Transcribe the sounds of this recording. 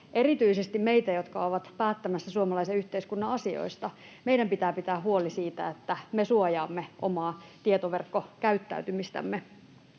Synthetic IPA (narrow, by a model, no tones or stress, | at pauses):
ʔerit̪yisest̪immeit̪æjot̪kɑoʋɑt̪pæːt̪ːæmæsːæsuomɑlɑiseyçt̪eiskunːɑɑsio̰ist̪ɑ | mejdɾæmpit̪æːpit̪æːɦuolisiːt̪æ̰et̪ːæmesuojɑːmːeʔo̰mɑːt̪iet̪oʋerkːokæyt̪ːæ̰yt̪ymist̪æ̰mːe